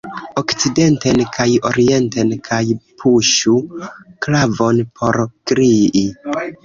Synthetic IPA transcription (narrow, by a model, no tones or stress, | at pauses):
okt͡side̞ntenkʰajo̞ɾie̞ntenkʰajpʰuʃuklavo̞npʰo̞ɾkɾii